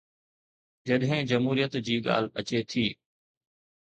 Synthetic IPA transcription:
d͡ʑɐɗɦɪ̃d͡ʑɐmɦuːɾijət̪d͡ʑiːɠa̰ːl̤ɐt͡ɕet̪ʰiː

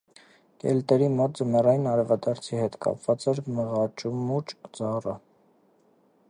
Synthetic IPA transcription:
kɛ̰lt̪ɛɾimɔt̪̚d͡zəmɛrɑjinɑɾɛvɑd̪ɑɾt͡sʰihɛt̪kɑ̰pvɑt͡sɛɾməʁɑt͡ʃumut͡ʃd͡zɑrə

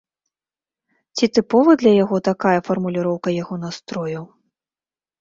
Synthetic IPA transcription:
t͡sʲit̪ɨpɔvɨd̪lʲɐjaɣɔt̪akajɐfɐrmulʲiɾɔwkɐjaɣɔnast̪ɾɔjɐw

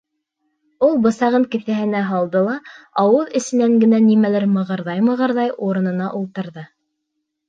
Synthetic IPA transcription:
ulˠbɤ̆sɑʁɤŋkɘ̆θæɦɘ̆næɦɑlˠd̪ɤlˠɑɑwɤðɘ̆sɘ̆næŋɡɘ̆nænimælɘɾmɤ̆ʁɤ̆ɾðɑjmɤ̆ʁɤ̆ɾðɑjuɾɤ̆nɤ̆nɑʔulˠt̪ɤ̆ɾðɤ

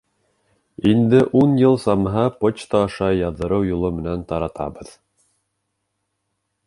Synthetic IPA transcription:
ind̪ɘʔunjɤlˠsɑmɦɑpot͡ɕt̪ɑːʃɑjɑðːɤ̆ɾɤwjulˠomɘ̆nænt̪ɑɾɑt̪ɑ̰bɤð

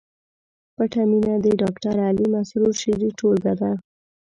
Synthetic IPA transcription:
pəʈaminad̪əɖɑkʈaɾalimasɾuɾʃiɾiʈʰolbad̪a

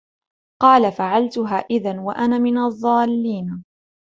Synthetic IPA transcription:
qɑːlafaʕalt̪ʊɦaːʔɪðanwaʔanaːmɪnɑðˤːɑːlːiːn

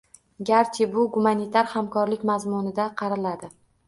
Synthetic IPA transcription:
ɡʲaɾt͡ʃ̪ʰɪbʊɡʊmanit̪ʰaɾhamkʰɒɾlɪkʲmazmʊnɪd̪aqʰɑɾɪlad̪ɪ

